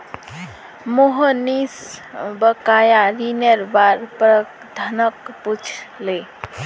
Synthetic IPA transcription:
moɦənisbəkajaɾineɾbaɾpɾə | d̪ʱənəkput͡ʃʰle

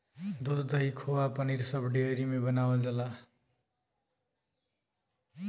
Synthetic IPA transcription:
d̪ot̪d̪ʱʌikʰowapʌniɾsʌbɖiʌɾimebʌnawld̪ʌla

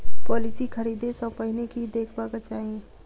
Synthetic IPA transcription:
pɔːlɪsikʰəɾiːd̪esɔ̃pəɦɪnekid̪eːkʰbaːɡat͡ʃaːɦiẽ

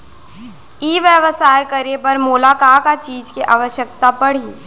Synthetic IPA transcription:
iːʋjəʋəsaːjkəɾepɐɾmuːlaːkaːkat͡ʃiːd͡ʒkiʔaːʋəʃjək̚t̪apɐɽ̤i

